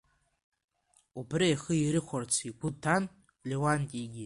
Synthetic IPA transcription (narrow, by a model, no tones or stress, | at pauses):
ubrijχəiɾɨχʷart͡sʰiɡʷʊtʰːan | lʲewantʲʼiɡʲi